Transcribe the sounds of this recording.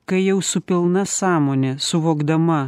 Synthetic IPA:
kɐɪjɛʊsʊpʲɪlˠnɐsɑːmoːnʲɛsʊʋoːɡd̪ɐmɐ

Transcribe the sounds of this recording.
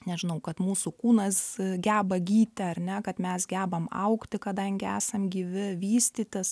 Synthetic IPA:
nʲɛʒʲɪnɐʊkɐt̪muːsukuːnɐsɡʲæːbɐɡʲiːt̪ʲɛɐrʲnʲɛkɐt̪mʲɛsɡʲæːbɐmɐ̰ʊkt̪ʲɪkɐd̪ɐŋʲɡʲɪæ̰ːsɐmɡʲiːʋʲɪʋʲiːsʲt̪ʲiːt̪ʲɪs

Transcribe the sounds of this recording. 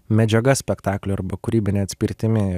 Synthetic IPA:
mʲɛd͡ʒʲɛɡɐsʲpʲɛkt̪ɑːklʲʊɐɾbɐkʊɾʲiːbʲɪnʲeːɐt̪ʲsʲpʲɪɾʲt̪ʲɪmʲɪ

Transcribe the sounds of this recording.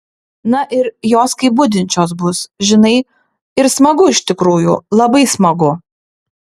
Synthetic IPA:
nɐʔɪɾjoːskɐɪbʊd̪ʲɪnʲt͡ʃʲoːsbʊsʒʲɪnɐɪ | ɪɾsmɐɡʊɪʃʲt̪ʲɪkɾuːjṵːlˠɐbɐɪsmɐɡʊ

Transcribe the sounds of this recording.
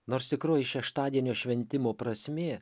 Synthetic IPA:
noːɾst̪ʲɪkɾoːjɪʃʲɛʃt̪ɑːd̪ʲiɛnʲoːʃʲʋʲɛnʲt̪ʲɪmoːpɾɐsʲmʲeː

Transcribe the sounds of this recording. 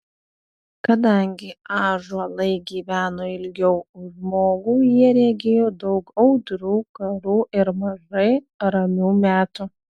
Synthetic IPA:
kɐd̪ɐŋʲɡʲɪɑːʒuɐlˠɐɪɡʲiːʋʲæːnoːɪlʲɡʲɛʊʒmoːɡuːjiɛɾʲæɡʲejoːd̪ɒʊkɐʊd̪ɾuːkɐɾuːʔɪɾmɐʒɐɪ | ɾɐmʲuːmʲæːt̪u

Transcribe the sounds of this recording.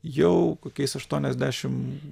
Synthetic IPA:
jɛʊkokʲɛjsɐʃt̪uːnʲɛzʲd̪ʲæːʃʲɪm

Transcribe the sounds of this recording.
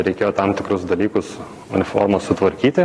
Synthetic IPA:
ɾʲɛɪkʲeːjoːt̪ɑmt̪ʲɪkɾʊsd̪ɐlʲiːkʊs | ʊnʲɪfo̰ːrmossʊt̪ʋɐɾʲkʲiːt̪ʲɪ

